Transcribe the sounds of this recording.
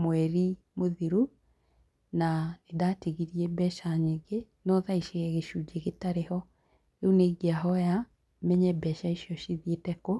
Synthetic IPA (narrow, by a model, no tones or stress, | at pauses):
mwɛɾi | moðiɾu | naedatiɣiɾiɛbɛʃaɲeɡe | nɔðaiʃeɣɛɣeʃud͡ʒeɣetaɾehɔ | euneɣiaɦɔja | mɛɲɛbɛʃaiʃiɔʃiðietɛko